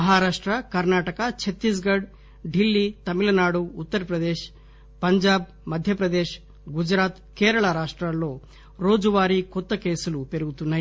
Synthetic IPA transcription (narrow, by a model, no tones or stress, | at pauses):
mɐɦaːɾaːʂʈɾɐkɐɾnaːʈɐkɐt͡ʃʰet̪ːis̬ɡɐɖ | ɖilːit̪ɐmilɐnaːɽuːt̪ːɐɾɐpɾɐd̪eːʃ | pɐɲd͡ʒaːb | mɐd̪ʱjɐpɾɐd̪eːʃ | ɡud͡ʒɾaːt̪keːɾɐɭaɾaːʂʈɾɐlːoː | ɾoːd͡ʒuʋaːɾikot̪ːɐkeːsɐlupeɾuɡut̪unːɐ